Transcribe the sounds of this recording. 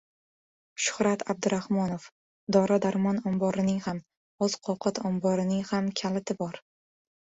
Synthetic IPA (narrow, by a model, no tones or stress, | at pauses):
ʃʊ̥hɾat̪ʰab̚d̪ɪɾahmɒnof | d̪ɒɾad̪aɾmɒnɒmbɒɾɪnɪŋham | oz̥qʰɒqʰɑt̪ʰɒmbɒɾɪnɪŋhamkʲʰalɪt̪ʰɪbɒɾ